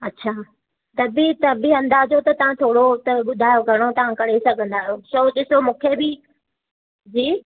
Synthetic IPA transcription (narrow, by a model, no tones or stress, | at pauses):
ɐtːɕʰaː | t̪ɐbit̪ɐbiɐ̃nd̪aːd͡ʑot̪ɐt̪ɐʋ̤ãt̪ʰoːɽot̪ɐɓʊd̪ʱaːjoɡʱɐɽ̃ot̪ɐʋ̤ãkɐɽ̤esɐɡʱə̃nd̪aːjoʃoːɗɪsomũːkʰebɪ | d͡ʑiː